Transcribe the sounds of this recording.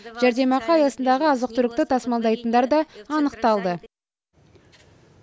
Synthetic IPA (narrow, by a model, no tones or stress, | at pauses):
ʒ̥æɾd̪e̞mɑqɑɑjɑsənd̪ɑʁəɑzəq̚t̪ʏɾɪk̚t̪ɪt̪ʰɑsmɑlˠd̪ɑjt̪ənd̪ɑɾd̪ɑːnəqt̪ɑlˠd̪ə